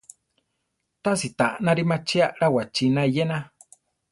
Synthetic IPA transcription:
t̪asit̪aʔnãɾimãt͡ʃiaɾawat͡ʃinãijenã

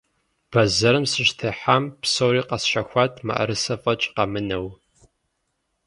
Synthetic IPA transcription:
b̥ɐzɐɾɨmsɨʃtʰeːħampsowɾiːqɐsʃɐxʷɑːtʰʼmɐ̰ʔɐ̰ɾɨsɐfʼɐt͡ʃʼqɐmɨnɐw

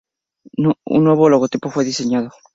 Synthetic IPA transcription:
nṵ̃nːweβoloɣot̪ipofweðiseɲaðo

